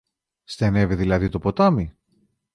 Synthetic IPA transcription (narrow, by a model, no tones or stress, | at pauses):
st̪ene̞viðilɐðit̪o̞po̞t̪ɐmi